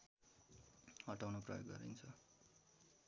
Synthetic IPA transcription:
hʌʈawnʌprʌ̰joɡːʌɾḭnt͡sʰʌ

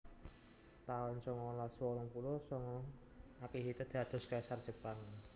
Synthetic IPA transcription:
t̪aɔnsɔŋɔlaswɔlɔŋpulosɔŋɔ | akiɦit̪əd̪̥ad̪̥ɔ̤skajsart͡ʃəpan

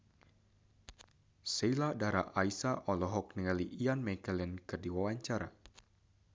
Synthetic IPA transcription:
seiladaɾa̰ʔaisaʔɔlɔɦɔk̚niŋaliʔianmɛkəlɛnkɨrdiwawaɲt͡ʃaɾa̰

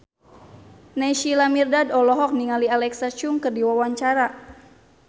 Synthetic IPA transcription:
nɛʃilamirdadɔlɔɦɔk̚niŋalialɛksat͡ʃuŋkɨrdiwawaɲt͡ʃaɾa

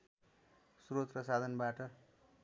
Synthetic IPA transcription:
suɾot̪̚prʌsad̪ʱʌnbaʈʌ

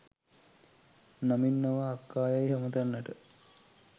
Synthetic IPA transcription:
naminːɐʋaːkːaːjajɦɐmət̪anːəʈə

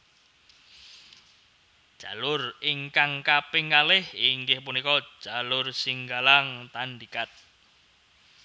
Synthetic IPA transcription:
d̥ʒ̥a̤lʊriŋkaŋkapɪŋkalɪhiŋɡɪhpunikɔ̥ʒ̥alʊrsiŋɡalaŋt̪andikat̪̚

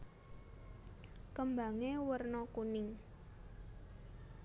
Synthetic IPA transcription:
kəmba̤ŋewərnɔkunɪŋ

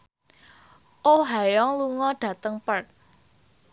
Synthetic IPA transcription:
ʔoɦajɔŋluŋɔɖ̥ä̤t̪əŋpərt̚

